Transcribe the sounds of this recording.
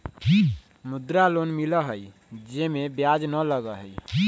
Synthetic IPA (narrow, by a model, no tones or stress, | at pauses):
mʊd̪ɾalonmiləɦəj | d͡ʒemẽbjad͡ʒnələɡəɦəi